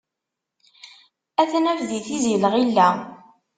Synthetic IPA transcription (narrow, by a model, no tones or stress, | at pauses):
æθnævðiθiziələʁilːæ